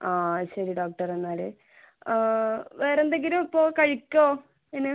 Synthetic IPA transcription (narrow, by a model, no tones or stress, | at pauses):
aːɕɐɾiɖoːk̚ʈɐrenːaːlɨ | ʋeːrend̪eŋɡilumɐpːoːkɐɻikʲːoː | enːe